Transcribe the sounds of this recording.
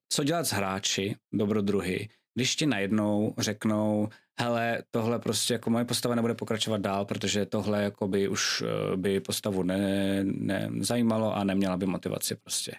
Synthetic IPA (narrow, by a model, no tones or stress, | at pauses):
t͡soɟɛlat̪zɦɾaːt͡ʃɪdobɾod̪ɾuɦɪ̰ | ɡdɪʃcɪnajɛdnowr̝ɛknow | hɛlɛt̪oɦlɛpɾoscʲɛjakomojɛpo̞st̪avanɛbudɛpokɾat͡ʃovad̪̚daːlpɾot̪oʒɛt̪o̞ɦlɛjakobɪʔuʃbɪpo̞st̪avunɛnɛ̰zajiːmalo̞ʔanɛmɲɛlabɪmot̪ɪva̰t͡sɪpɾo̞scɛ̰